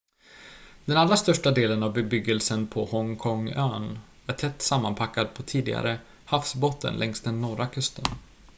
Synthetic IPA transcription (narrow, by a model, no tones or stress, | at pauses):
d̪ɛnalɾast̪œʂʈad̪eːlənavbɛbʏɡːəlsənpʰɔhɔŋkʰɔŋøːn | æɾʈʰɛt̪ːsamːanpʰakːad̪̚pʰɔt̪ʰiːd̪ɪɡa̰ɾə | hafsbot̪ːə̰nlʔɛŋst̪̚d̪ɛnːɔɾakʰɵst̪ən